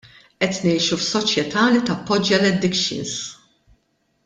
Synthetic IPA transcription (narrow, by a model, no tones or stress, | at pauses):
ʔɛt̪nɛjʃufsɔt͡ʃjɛt̪ʰɐːlit̪ɐpːɔd͡ʒːɐlɛd̪ɪkʃɪ̰ns